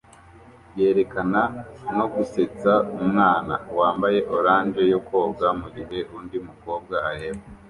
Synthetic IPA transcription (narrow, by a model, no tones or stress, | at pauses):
bje̞ːɾe̞kanano̞ɡuse̞t͡saumŋaːna̰waːmbaje̞ʔo̞ɾaːnd͡ʒe̞joko̞ːbɡamuɡiɦe̞ʔundimuko̞ːb̚ɡaaheba